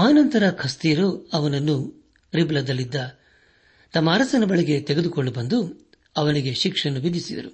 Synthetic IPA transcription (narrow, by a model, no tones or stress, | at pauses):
aːnɐnt̪ɐɾɐkʰɐst̪iːɾoɐʋɐnɐnːu | ɾiblɐd̪ɐlːid̪ːɐ | t̪ɐmːaːɾɐsɐnɐbɐɭiɡe̞t̪eɡe̞d̪ukoɭːɖubɐnd̪u | ɐʋɐniɡe̞ʃikʂɐnːuʋid̪ʱisid̪ɐ̰ɾu